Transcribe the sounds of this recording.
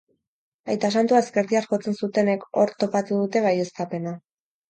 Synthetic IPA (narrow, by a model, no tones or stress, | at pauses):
ajt̪asant̪uae̞ske̞ɾðiarxo̞t͡se̞nsut̪e̞ne̞ko̞ɾt̪o̞pat̪uðut̪e̞βaje̞st̪ape̞na